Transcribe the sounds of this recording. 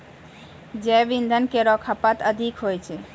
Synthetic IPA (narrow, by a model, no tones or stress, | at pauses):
d͡ʒɛʋind̪ʱənkeɾɔkʰapat̪əd̪ʱikɦojt͡ɕʰe